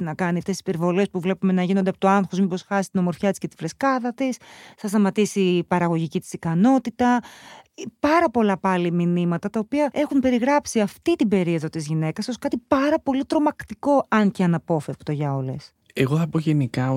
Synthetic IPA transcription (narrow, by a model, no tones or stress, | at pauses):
inɐkɐniɐft̪esisipe̞ɾvo̞lespuvle̞pume̞nɐʝinond̪eɐpot̪oɐnxozmipo̞sxɐsi̥t̪ino̞mo̞ɾfçɐt̪isce̞t̪i̥fɾeskɐðɐt̪isθɐst̪ɐmɐt̪isipɐɾɐɣo̞ʝicit̪i̥sikɐno̞t̪it̪ɐ | pɐɾɐpo̞lɐpɐliminimɐt̪ɐt̪ɐopiɐe̞xumbe̞ɾiɣɾɐpsiɐft̪it̪ibe̞ɾieðo̞t̪izʝine̞kɐsoskɐt̪ipɐɾɐpo̞lit̪ɾo̞mɐkt̪iko̞ɐnceɐnɐpo̞fe̞pt̪o̞ʝɐo̞le̞s | eɣoθɐpo̞ʝenikɐ